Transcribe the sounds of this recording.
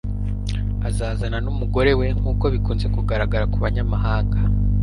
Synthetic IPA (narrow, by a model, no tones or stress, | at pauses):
azaːzananumuɡo̞ɾe̞we̞ŋ̥uːko̞βikuːnze̞kuɡaɾaɡaɾakuβaɲamaɦaːŋɡa